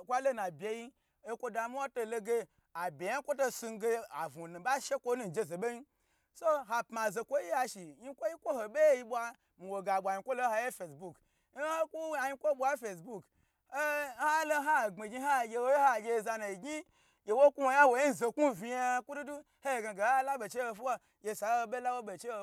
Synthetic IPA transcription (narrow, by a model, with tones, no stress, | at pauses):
kʷa˦lo˦na˨bʲe˨ji˦ | e˦kʷo˧da˨mi˦a˦to˧lo˧ɡe˧ | a˨bʲe˨ja˦kʷo˦to˦su˧n˦ɡe˦a̰˨vu˨nu˨ba˦ʃe˦kʷo˦nu˦n̩˨d͡ʒe˦ze˨be˦ji˦ | so˦ɦa˨pma˨ze˨kʷo˦ji˦a˧ʃi˨ji˦kʷo˦ji˦kʷo˦ho˨bʲe˦ji˦ɓʷa˧ | mi˨wo˨ɡa˨ɓʷa˨ji˧˦kʷo˦lo˦ha˧˦je˦fe˨sbu˦˨k | ho˦ku˦a˨ji˦kʷo˦ɓʷa˦fe˨sbu˦k | e˦a˦lo˦ɦa˦˨ɡ͡be˨ɡʲi˧˦a˦˨ɡʲe˧wo˦je˦ha˦˨ɡʲe˧˨za˧na˨i˨ɡi˦ | je˨wo˦kʷu˦wo˨ja˦wo˨ji˦n˨ze˨ku˦vʲi˧ja˦kʷu˦du˦du˦ | he˦e˨ɡa˨ɡe˨˦la˦be˨t͡ʃe˦ho˧fu˦wa˦ | jʲe˧sa˨˦o˦be˦la˦wo˦be˨t͡ʃe˦o˧˨